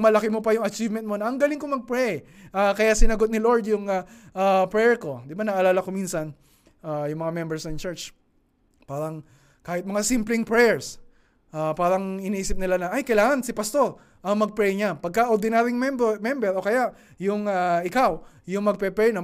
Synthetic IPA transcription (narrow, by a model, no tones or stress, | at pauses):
mɐlɐkɪmopɐjʊŋɐt͡ʃivmɛnt̪mo̞nɐʔɐŋɡɐlɪŋkomɐɡ̚pɹɛj | ʔakɐjasɪnɐɡo̞t̪̚nɪloɹd̪jʊŋaʔapɹɛɹko̞d̪ɪbanɐʔɐlaːlɐkominsɐn | ʔajʊŋmɐŋamɛmbɛɹsnɐnt͡ʃɛɹt͡ʃ | paːɾɐŋ | kaːhɪt̪̚mɐŋasimplɪŋpɹɛɹs | ʔapaːɾɐŋʔɪniʔiːsɪp̚nɪlanɐʔajkɐjlaːŋɐnsɪpɐst̪o̞ɾ | ʔɐŋmɐɡ̚pɹɛjɲapɐɡ̚kɐʔoɾd̪ɪnɛɾɪŋmɛmbmɛmbɛɾokɐjaʔ | jʊŋaʔɪkaw | jʊŋmɐɡ̚pɛpɛɹnɐ